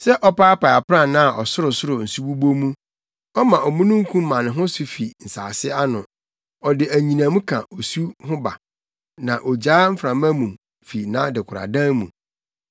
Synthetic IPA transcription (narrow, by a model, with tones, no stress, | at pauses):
sɛ˦ʔɔ˦pa˦a˦pa˨a˨pɾã˦˨nã˦a˨ʔɔ˨sʊ˦ɾʊ˨sʊ˦ɾʊ˨n̩˨su˦bu˦bo˦mũ˦ | ɔ˦mã˨ɔ˨mũ˦nũ˦ŋ̩˦kʰũ˦m˦mã˨nɪ̃˨ɦʊ̃˦sʊ˨fi˨n̩˨saː˨sɪ˦a˦nʊ̃˨ | ɔ˨dɪ˨æ˨ɲĩ˨nã˨mũ˦kʰã̰˨ʔo˨su˦ɦʊ̃˦ba̰˨ | nã˨ʔɔ˨d͡ʑaː˨˦m̩˦fɾã˨mã˦mũ˨ | fi˨nã˦dɪ˨kʷʰʊ˨ɾa̰˨dã˦ŋmṵ̃˨